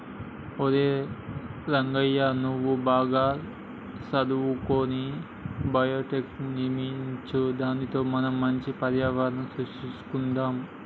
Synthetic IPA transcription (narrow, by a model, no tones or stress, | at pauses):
od̪eː | ɾɐŋɡɐjaːnuʋːubaːɡaː | sɐd̪uwukoːni | bɐjoːʈeːknimiɲt͡ʃud̪aːnit̪o̞ːmɐnɐmːɐɲt͡ʃipɐɾjaːʋaːɾɐnɐmsɾuʂʈisu̥kund̪aːm